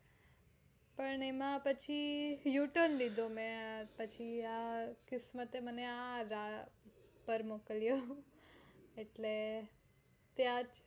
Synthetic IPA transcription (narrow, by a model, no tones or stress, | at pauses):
pəɳemãpət͡ʃʰijuʈənlid̪ʱomɛ̃pət͡ʃʰiakɪsmət̪eməneaɾa | pəɾmokljo | eʈle | t̪jãd͡ʒ